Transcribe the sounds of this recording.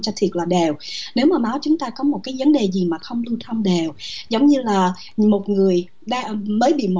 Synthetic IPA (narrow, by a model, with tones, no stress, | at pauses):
t͡ɕɔ˧t̪ʰi˨˩ət̚laː˨˩ɗe˨˩wne˨˦wmaː˨˩maː˨˦wt͡ɕʊ˨˦ŋ͡mt̪aː˧kɔ˨˦mo˨˩t̚kaː˨˦jvə˨˦nɗe˨˩zi˨˩maː˨˩xə˧wŋ͡mlu˧t̪ʰə˧wmɗe˨˩wzə˨˦wŋ͡mɲɨ˧laː˨˩ | mo˨˩t̚ŋɨ˨˩əj | ɗaː˧məː˨˦jɓḭ˧˨mo˨